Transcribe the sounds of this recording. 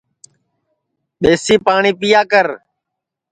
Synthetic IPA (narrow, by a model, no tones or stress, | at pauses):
ɓeːsiːpaːɳiːpɪjaːkəɾ